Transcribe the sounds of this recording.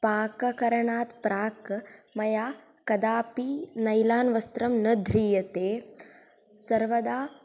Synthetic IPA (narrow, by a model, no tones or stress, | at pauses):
paːkɐkɐɾɐɳaːt̪pɾaːkmɐjaː | kɐd̪aːpiːnɐjlaːnʋɐst̪ɾɐmnɐd̪ʱɾiːjɐt̪eː | sɐɾʋɐd̪aː